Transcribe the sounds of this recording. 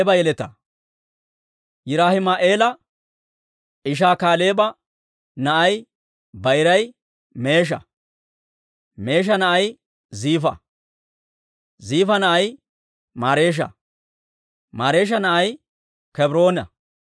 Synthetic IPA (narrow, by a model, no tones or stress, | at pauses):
bɐjɛlɛt̪ɐ̰ | jɪɾaːhɪmɐʔe̞ːlɐ | ɪʃ̬aːkaːle̞ːbɐ | nɐʔɐj | bɐjɾɐj | me̞ːʃ̬ɐ̰ | me̞ːʃ̬ɐnɐʔɐj | ziːfɐ̰ | ziːfɐnɐʔɐj | maːɾe̞ːʃ̬ɐ̰ | maːɾe̞ːʃ̬ɐnɐʔɐj | kɛbɾo̞ːnɐ̰